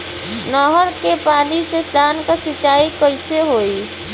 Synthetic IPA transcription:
nɔɦəɾkepaːnisesd̪ʱaːnkasɪt͡ʃaːikəɪseɦoːi

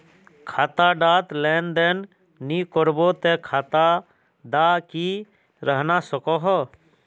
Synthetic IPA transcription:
kʰaːt̪aɖaːt̪leːnd̪eːnː | ikɔɾbot̪ekʰaːt̪a | d̪aki | ɾəɦnasəkɔɦɔ

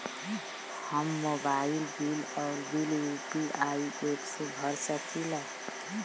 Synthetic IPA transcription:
həmːobailbilɔːɾbilupiʔaieksẽbʱəɾsət̪ʰila

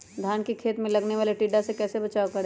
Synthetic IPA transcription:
d̪ʱjaːnkikʰeːt̪mẽlɐɡneʋaːleʈiːɖasekɛːsebɐt͡ʃaːokɐɾ

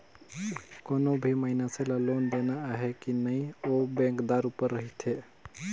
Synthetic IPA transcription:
konobʱiməɦinasẽlalond̪enaːɦekinəjobẽŋkd̪aɾupəɾːəɦit̪ʰe

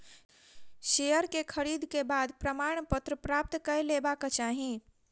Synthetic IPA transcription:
ʃejəɾkekʰəɾid̪ʱkebad̪pɾəmaɽ̃pət̪ɾəpɾap̚t̪kəjlebakt͡ʃaːɦĩ

